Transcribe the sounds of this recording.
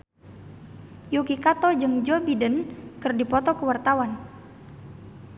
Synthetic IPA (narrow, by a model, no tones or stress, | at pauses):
jukikat̪ɔd͡ʒɨŋd͡ʒɔbidənkərdipɔt̪ɔkəwart̪awan